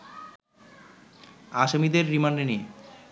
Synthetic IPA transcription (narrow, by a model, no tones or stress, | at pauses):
aʃomid̪eɾːimaɳɖenie